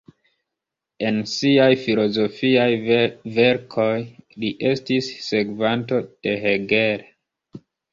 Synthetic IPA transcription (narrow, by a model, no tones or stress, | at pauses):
e̞nsiajfilo̞zo̞fiajve̞ɾkʰo̞jliʔe̞stisːe̞kvanto̞d̥e̞ɦeɡe̞ɾe